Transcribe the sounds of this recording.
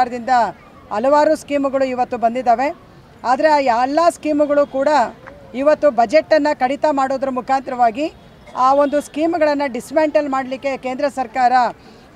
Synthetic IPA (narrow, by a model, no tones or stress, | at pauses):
ɾɐd̪ind̪ɐ | ɐlɐʋaːɾuskiːmuɡɐɭuiʋɐt̪ːubɐnd̪id̪ːaːʋe̞ | aːd̪ɐɾe̞aːjaːlːaːskiːmuɡɐɭukuːɽɐ | iʋɐt̪ːubɐd͡ʒeʈːɐnːɐkɐɽit̪ɐmaːɽoːd̪ɐɾumukʰaːnt̪ɾɐʋaːɡi | aːo̞nd̪uskiːmuɡɐɭɐnːɐɖismeːɳʈɐlmaːɽɐlikːe̞ke̞ːnd̪ɾɐsɐɾkaːɾɐ